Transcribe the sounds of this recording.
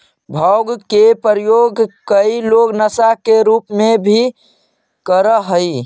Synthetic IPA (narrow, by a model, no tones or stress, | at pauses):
bʱəʊɡkepəɾjoɡkəiloɡnəsakeɾupmebʱi | kəɾəɦəi